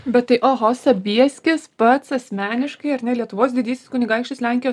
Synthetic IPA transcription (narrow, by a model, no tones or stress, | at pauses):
bʲɛt̪t̪ːɐɪʔoːɦosɐbʲiɛsʲkʲɪspɐt̪sɐsʲmʲæːnʲɪʃkɐɪɐɾnʲɛlʲiɛt̪ʊʋoːs̬d̪ʲɪd̪ʲiːsʲɪskʊnʲɪɡɐˑɪkʃʲt͡ʃʲʊslʲæŋʲkʲɪjoːs